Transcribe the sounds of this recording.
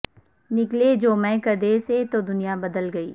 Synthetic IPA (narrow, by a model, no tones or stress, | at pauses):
nɪkled͡ʒoːmɛ̃ːkɐɾd̪eset̪od̪ʊnijabɐd̪əlɡɐiː